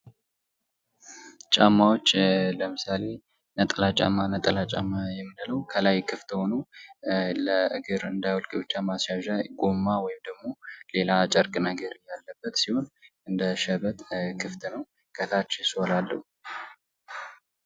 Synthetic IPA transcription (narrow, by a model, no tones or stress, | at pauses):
t͡ʃʼamːawo̞t͡ʃːləmɨsale̞ | nət̪ʼəlat͡ʃʼa̰mːanət̪ʼəlat͡ʃʼa̰mːajɛmːɨnɨləwkʰəlajkʰɨft̪ho̞nu | ləɨɡɨɾɨnd̪ajwɔlkʼebɨt͡ʃːamasjaʒajɡomːawɔjɪmd̪əɡmo̞le̞lat͡ʃʼəɾkʼnəɡəɾɨjalːəbːət̪siho̞nʔɨnd̪əʃɛβət̪kʰɨft̪ʰnəw | kʰət̪ʰat͡ʃːɪsolalːəhu